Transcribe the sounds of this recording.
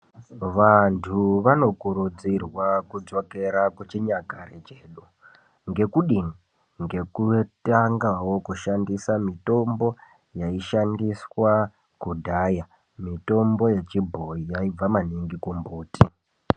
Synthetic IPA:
ʋantʰuʋano̞kuɾud͡zirwakud͡zo̞ke̞ɾakwet͡ʃiɲakaɾet͡ʃeːɗu | ŋɡe̞kuɗini | ŋɡe̞kutaŋɡawo̞kuʃandisamito̞mbo̞ | jaiʃandiswa | kudʱaːja | mito̞mbo̞je̞t͡ʃibʱoijaib͡vamaniŋɡikumbuːti

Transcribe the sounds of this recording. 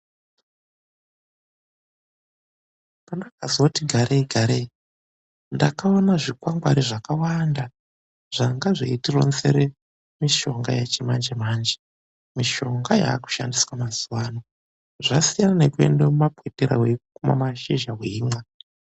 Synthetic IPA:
pandakazotiɡʱaɾeiɡʱaɾei | ndakao̞naʐikwaŋɡwaɾiʐakawanda | ʐ̥aŋɡaʐḛitiro̰nzeɾe | miʃo̞ŋɡajet͡ʃemand͡ʒemaːnd͡ʒe | miʃo̞ŋɡaja̰ːku̥ʃandiswamazuwaːno | ʐasijanane̞kuḛndemumapweteɾa̰wekuma̰maʃiʒaweiːmwa

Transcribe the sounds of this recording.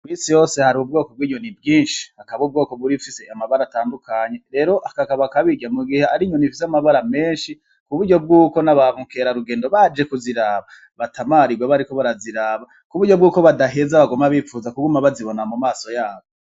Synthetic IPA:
kwisijo̞ːse̞haɾiub̚ɡo̞ːkob̚ɡiːɲo̞nibɡiːnʃi̥hakaβub̚ɡo̞ːko̞βuɾiufise̞ʔamaβaɾataːndukaɲe̞ɾe̞ɾo̞ʔakakaβakaβiɟamuɡiheaɾiɲonifi̥s̬eamaβaɾame̞ːnʃi | kuβuɾɟo̞b̚ɡuːkonaβaβuŋke̞ɾaɾuɡe̞ːndo̞βad͡ʒe̞kuziɾaːβa | βatamaɾiɡweβaɾiko̞βaɾaziɾaːβa | kuβuɾɟo̞bɡuːko̞βadaɦe̞zaβaɡomaβiːfuːzakuɡumaβaziβo̞namumaːso̞jaːβo

